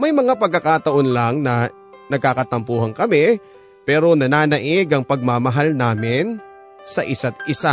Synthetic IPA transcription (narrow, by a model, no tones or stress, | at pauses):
mɐjmɐŋapɐɡ̚kːɐkaːt̪ɐʔonlaŋnɐ | nɐɡ̚kakɐt̪ɐmpuːhɐŋkɐmɪ | pɛːɾo̞nɐnaːnɐʔɪɡɐŋpɐɡ̚mamɐɦalnaːmɪn | sɐʔɪsat̪̚ʔɪsa